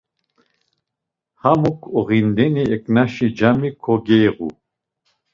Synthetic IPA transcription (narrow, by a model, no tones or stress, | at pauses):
hamukʰɔʁind̪ɛniɛkʼnaʃid͡ʒamikʰɔɡɛjʁṵ